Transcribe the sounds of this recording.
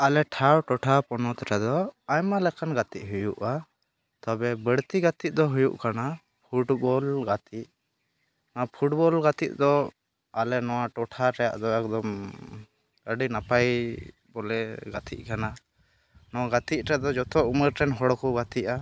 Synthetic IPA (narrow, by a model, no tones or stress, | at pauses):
alɛʈʰawʈɔʈʰapɔnɔt̪ɛʈɛd̪ɔajmalɛkanɡat̪iʔ̚ɦujṵʔa | t̪ɔbɛbəɽt̪iɡat̪iʔ̚d̪ɔɦujṵʔkana | pʰuʈbɔlɡat̪ʰit̚ | napʰuʈbɔlɡat̪it̪̚d̪ɔ | alɛnɔwaʈɔʈʰaɾɛja̰ʔd̪ɔɛk̚d̪ɔm | əɖinapaj | bɔlɛɡat̪ʰḭʔ̚ˀkana | nɔwaɡat̪iʔ̚ˀɾɛd̪ɔd͡ʒɔt̪ɔʔuməɾʈɛnɦɔɽkɔɡat̪iʔ̚a